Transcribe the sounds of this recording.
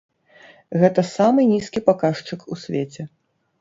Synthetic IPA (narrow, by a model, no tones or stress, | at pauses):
ɣɛt̪ɐsamɨnʲiskʲipakaʂt͡ʂɨkusʲvʲeɛt͡sʲɛ